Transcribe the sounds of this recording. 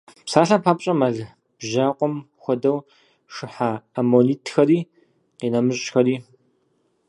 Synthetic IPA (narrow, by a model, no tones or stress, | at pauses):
psaːɬapʰaːpʼɕʼɐmɐɮ | b̥ʒaːqʷʼɔm | xʷɔdɐw | ʂɨħaːmoliːtʰxɐɾiː | qiːnɐmɨɕʼxɐɾiː